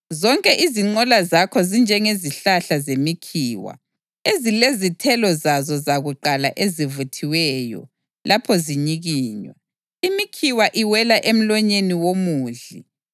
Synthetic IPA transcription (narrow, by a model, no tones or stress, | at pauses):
zɔŋkʼɛʔiziŋ͡ǃɔlazakʰɔzind͡ʒʱɛŋeziɬaɬazemikʰiːwa̰ | ezilezitʰɛlɔzazɔzaɣuǃala̰ʔezivutʰiwɛjɔ̰ | lapʰɔziɲiɣiːɲwɛ̰ | imikʰiwaʔiwɛlaʔem̩lɔɲeniwomuːɮḭ